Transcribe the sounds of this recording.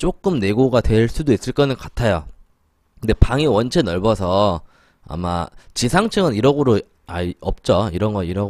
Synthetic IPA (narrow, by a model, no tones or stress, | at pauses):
t͡ɕ͈ok͈ɯmne̞ɡoɡatwe̞ɭs͈udois͈ɯɭk͈ʌnɯnkatʰajo | kɯnde̞paŋiwʌnt͡ɕʰenʌɭbʌsʰʌ | a̰ma̰t͡ɕisʰaŋt͡ɕʰɯŋɯniɾʌɡuɾo | aʌp̚t͡ɕ͈oiɾʌnɡʌiɾʌ